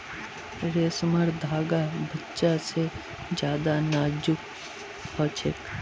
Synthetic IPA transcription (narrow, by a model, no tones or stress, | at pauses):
ɾeːsməɾd̪ʱaːɡabətːʃase | d͡ʒjaːd̪anaːd͡ʒʊk | pʰɔːt͡ʃek